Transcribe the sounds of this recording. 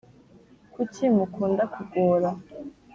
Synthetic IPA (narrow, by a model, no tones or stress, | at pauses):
kucimukuːndakuɡoːɾa